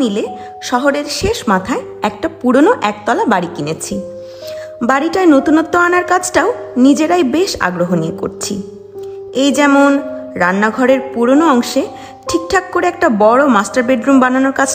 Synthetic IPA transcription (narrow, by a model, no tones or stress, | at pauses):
nile | ʃɔɦoɾeɾʃeʃmat̪ʰae | ɛk̚ʈapuɾonoʔɛk̚t̪ɔlabaɽikinet͡ɕʰi | baɽiʈaenot̪unot̪ːoanaɾkat͡ɕʰʈaonid͡ʑeɾajbeʃa̰ɡɾoɦonijeko̰ɾt͡ɕʰi | ejd͡ʑɛmonɾanːaɡʱɔɾeɾpuɾonoɔŋʃe | ʈʰik̚ʈʰak̚ːoɾeɛk̚ʈabɔɽomasʈaɾbeɖɾumbananoɾkat͡ɕʰ